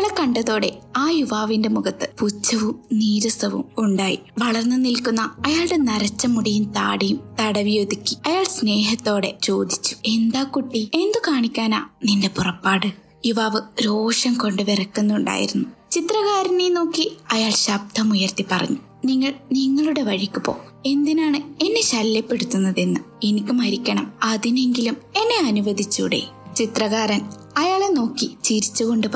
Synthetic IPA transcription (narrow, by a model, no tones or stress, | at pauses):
ɭɐkɐɳɖɐðo̞ːɽe̞aːjuʋaːʋinde̞muɣɐt̪ːɨput͡ɕːɐʋumniːɾɐsɐʋṵmuɳɖaːjḭʋɐɭɐrnːɨnilkunːɐːjaːɭɨɽe̞nɐɾɐt͡ɕːɐmuɽijumt̪a̰ːɽijumt̪ɐɽɐʋijoːd̪ikʲːi̥ɐjaːɭsne̞ːɦɐt̪ːo̞ːɽe̞t͡ɕo̞ːd̪it͡ɕːu̥e̞nd̪aːkuʈːie̞nd̪ukaːɳikʲːaːna̰ːninde̞purɐpːaːɽɨ | juʋaːʋɨɾo̞ːʂɐmko̞ɳɖɨʋerɐkːunːuɳɖa̰ːjḭɾunːut͡ɕit̪rɐɣaːɾɐneːno̞ːkːiɐjaːɭɕɐb̚d̪ʱɐmujɐrt̪ipːɐrɐ̰ɲːu | niŋːɐɭniŋːɐɭuɽe̞ʋɐɻikʲːupːo̞̰ː | e̞nd̪inaːɳɨe̞nːe̞ɕɐljɐpːe̞ɽut̪ːunːɐðe̞nːɨe̞nikʲːumɐɾikʲːɐɳɐmɐðine̞ŋɡilume̞nːe̞ɐnuʋɐd̪ʱit͡ɕːṵɽḛt͡ɕit̪rɐɣaːɾɐn | ɐjaːɭeno̞ːkːit͡ɕiɾit͡ɕːuɣo̞ɳɖɨp